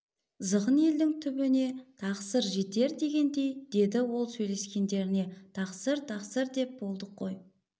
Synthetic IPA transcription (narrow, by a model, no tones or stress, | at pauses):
zəʁənje̞ld̪ɪŋt̪ʰʏbɪne̞t̪ʰɑqsəɾʒe̞t̪e̞ɾd̪e̞ɡʲe̞nd̪e̞jd̪̥e̞d̪ɪwo̞lˠsɵjle̞skʲe̞nd̪e̞ɾɪne̞t̪ʰɑqsəɾt̪ʰɑqsəɾd̪e̞p̚bo̞lˠd̪əqʰːo̞j